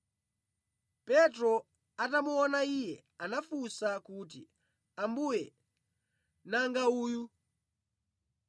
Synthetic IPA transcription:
pɛtɾɔ | atamuɔnaijɛ | anafusakut̬ḭ | ambujɛ | naŋɡauːju

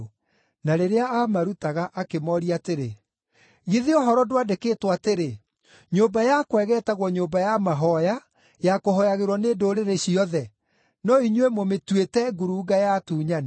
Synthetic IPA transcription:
naɾeɾeaʔamaɾutaɣaʔakemɔɾiateɾe | ɣiðeɔɦɔɾɔdoadekeːtwateɾe | ɲobajakwɛɣɛːtaɣwɔɲombajamaɦɔja | jakoɦɔjaɣeɾwɔneːdoɾeɾeɕiɔðɛ | nɔiɲwemometwetɛɡuɾuːɡajatuːɲane

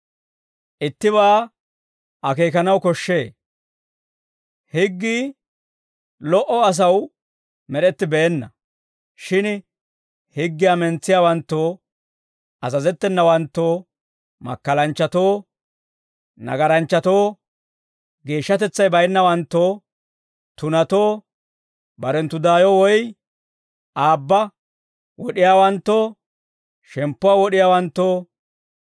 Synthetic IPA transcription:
ʔɪt̪ːɪβaː | ɐkeːkɐnɐwkɔʃːe̞ː | hɪɡːiː | lɔʔɔɐs̬ɐw | mɛɗɛt̪ːɪbeːnːɐ | ʃɪn | hɪɡːɪjamɛnt͡sːɪjaːwɐnt̪ːoː | ʔɐzɐzɛt̪ːɛnːɐwɐnt̪ːoː | mɐ̰kːɐlɐnt͡ʃːɐt̪o̞ː | nɐ̰ɡɐɾɐnt͡ʃːɐt̪o̞ː | ɡe̞ːʃːɐt̪ɛt͡sːɐjbɐjnːɐwɐnt̪ːo̞ː | t̪ʊnɐt̪oː | bɐɾɛnt̪ːʊd̪aːjɔwɔj | ʔaːbːɐ | wɔɗɪjaːwɐnt̪ːoː | ʃɛmpːʊwaːwɔɗɪjaːwɐnt̪ːo̞ː

